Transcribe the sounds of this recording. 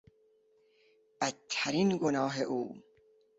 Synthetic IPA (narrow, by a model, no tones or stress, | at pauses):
bæt̪ʰːæɾiːnɡonɒːɦeʔuː